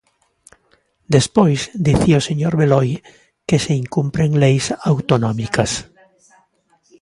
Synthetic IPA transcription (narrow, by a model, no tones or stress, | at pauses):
d̪espojzd̪iθioseɲoɾβeloj | keseiŋkumpɾeŋlejsawt̪onɔmikas